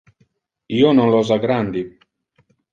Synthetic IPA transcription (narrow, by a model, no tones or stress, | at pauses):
iːononlɔzaɡɾand̪i